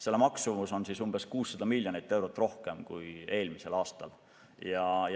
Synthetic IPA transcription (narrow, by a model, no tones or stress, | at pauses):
se̞lːmɑksumuso̞nsisumb̥e̞skuːsːɑd̪ɑmilʲːjonijt̪ːˑe̞wɾot̪ːˑro̞hke̞mkuje̞ːlmise̞lɑːst̪ɑ̰l | jɑj